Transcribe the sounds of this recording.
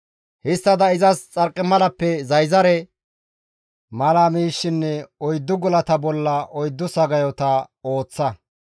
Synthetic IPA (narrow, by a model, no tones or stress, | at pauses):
hɪst̪ːɐd̪ɐɪzɐst͡sʼɐɾkʼːɪmɐlɐpːɛzɐjzɐɾɛ | mɐlamiːʃːɪnːɛɔjd̪ːʊɡɔlɐt̪ɐbɔlːɐɔjd̪ːʊsɐɡɐjɔt̪ɐ | o̞ːt͡sːɐ